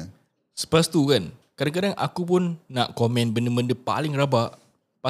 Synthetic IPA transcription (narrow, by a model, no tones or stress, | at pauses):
sə̥past̪ukankadaŋkadaŋa̰kupʊnːaʔkomɛ̃nbəndəmbəndəpa̰lɪŋrabaʔ | pa